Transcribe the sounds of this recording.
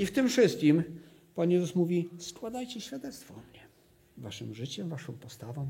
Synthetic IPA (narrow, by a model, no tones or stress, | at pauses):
ift̪ɘmfʂɘst̪̚kʲim | panjɛzusmuvʲiskwad̪ajt͡ɕɛɕfʲjad̪ɛt̪st̪fɔmɲɛ | vaʂɘmʐɘt͡ɕɛvaʂɔ̃w̃pɔst̪avɔ̃w̃